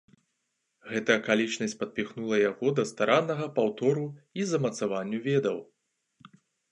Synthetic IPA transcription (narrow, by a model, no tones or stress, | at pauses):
ɣɛt̪ɐjɐkalʲit͡ʂnɐsʲpɐd̪̚pʲixnulˠɐjaɣɔd̪ɐst̪aɾanːɐɣɐpawt̪ɔɾuizɐmɐt̪savanʲːuvʲɛd̪ɐw